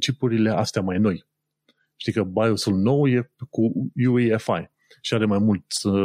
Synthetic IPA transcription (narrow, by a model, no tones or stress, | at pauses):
t͡ʃipuɾile̞ʔast̪eamajno̞j | ʃt̪ikəbajosulno̞wje̞kujueefa̰j | ʃiaɾe̞majmult̪sʲ